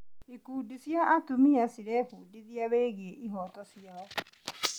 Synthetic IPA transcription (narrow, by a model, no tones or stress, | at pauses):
ikuːdisjaʔatumiasiɾɛhuːdiðiaβeːɣeʔiɦɔtɔsijaɔ